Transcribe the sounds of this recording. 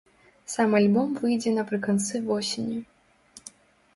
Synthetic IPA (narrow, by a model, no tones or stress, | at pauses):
samalʲbɔmvɨjd͡zʲɛnɐpɾɨkɐnt̪sɨvɔsʲɪnʲu